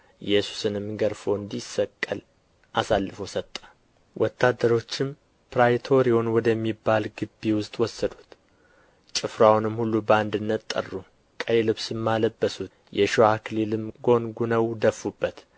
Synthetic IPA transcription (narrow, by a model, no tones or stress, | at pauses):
jɛsu̥sɨnɨmɡəɾfo̞ɨnd̪isːəkʼːəl | ʔasalːɨfosət̪ʼːə | wʔɔt̪ʰːad̪ːəɾo̞t͡ʃːɪm | pʰɾajt̪ʰo̞ɾio̞nwɔd̪əmːibːalɡɨbːiwʊst̪ʼwɔsːəd̪ut̪ | t͡ʃʼɨfɾawnɨmhulːubəand̪ɨnːət̪t̪ʼːə̰rːu | kʼəjlɨβsɨmːaləbːəsut̪ | jɛʃoaklilɨmɡo̞nɡunəwd̪əfːubːət̪